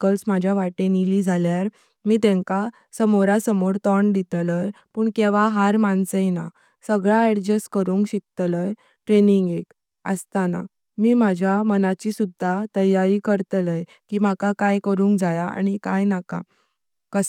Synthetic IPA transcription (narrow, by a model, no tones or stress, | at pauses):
kəlsmad͡ʑʱjaʋaʈenilid͡zʱaljaɾ | miːt̪ɛ̃ŋka | səmoɾasəmoɾt̪ɔɳd̪it̪ləjpuːɳkɛʋaɦaɾmant͡səjna | səɡɭaɛɽd͡ʑəskəɾuːŋkɕik̚t̪ləj | ʈɾeniŋɡek | ə̰st̪ana̰ | miːm̤ad͡ʑʱjamənat͡ɕisud̪ʱːat̪əjaɾiːkəɾt̪ləj | kiːmakakajkəɾuːŋkd͡zajaa̰ɽ̃ikajnaka̰ | kəs